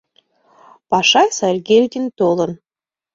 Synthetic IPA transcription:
pɑʃɑjsɑrʲɡʲelʲd̪ʲint̪olˠɤ̆n

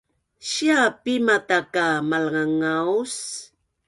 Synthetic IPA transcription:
ɕiapimat̪akamalŋaŋaws

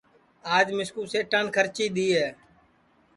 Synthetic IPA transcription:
aːd͡ʒmɪskuːseːʈənkʰəɾt͡ʃiːɗ̪iːɦɛː

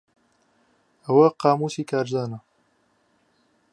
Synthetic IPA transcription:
ɐwɐqaːmuːsiːkʰaːɾzaːnɐ

